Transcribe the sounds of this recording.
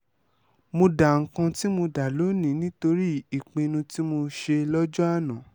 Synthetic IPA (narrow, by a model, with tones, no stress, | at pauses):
mo˧da˨ŋ̩˨kã˧ti˦mo˧da˨lo˨˦nĩ˨˦nĩ˦to˧ɾi˦i˨k͡pẽ˨˧nũ˧ti˦mo˧ʃe˧lɔ˦d͡ʒɔ˦a˦˨nã˨˦